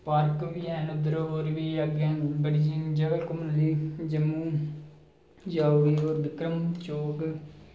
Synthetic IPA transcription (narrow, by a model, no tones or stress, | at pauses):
paɾkʋiːɛːnʊd̪ɾooːɾʋiːəɡẽbəɽiːd͡ʒiːnd͡ʒəɡəlkʊmənliːd͡ʒəmuː | d͡ʒaːoʋiːoːɾʋɪkɾəmt͡ʃoːk